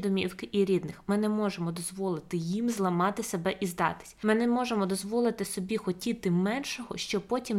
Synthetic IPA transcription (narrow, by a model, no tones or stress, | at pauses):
d̪ɔmʲiwkɪʔiɾʲid̪nɪxmɪnɛmɔʒemɔd̪ɔzʋɔlˠɪt̪ɪjimzlˠɐmɑt̪ɪsebɛʔizd̪ɑ̰t̪ɪ̥sʲmɪnɛmɔʒemɔd̪ɔzʋɔlˠɪt̪ɪsɔbʲixɔtʲit̪ɪmɛnʃɔɦɔ̰ʃt͡ʃɔpɔtʲim